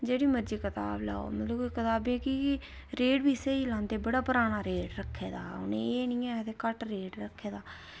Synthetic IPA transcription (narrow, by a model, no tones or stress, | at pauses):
d͡ʒeːɽiːməɾd͡ʒiːkət̪a̰ːbla̰ːo̰mət̪ləbkət̪aːbẽːki | ɾeːɖbiːseiːlãːnd̪eːbəɽaːpəɾaːnaːɾeːɖɾəkʰːeːd̪a̰ːʊ̰nẽːeːnĩːɛːt̪eːkəʈɾeːɖɾəkʰːeːd̪aː